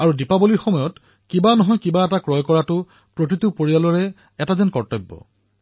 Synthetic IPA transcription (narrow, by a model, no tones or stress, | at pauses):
aɹudipaboliɹxɔmɔjɔt | kibanɔɦɔjkibaɛtakɹɔjkɔɹatʊ | pɹotɹitupoɹijalɔɹɛ | ɛtazɛnkɔɹtɔbːɔ̰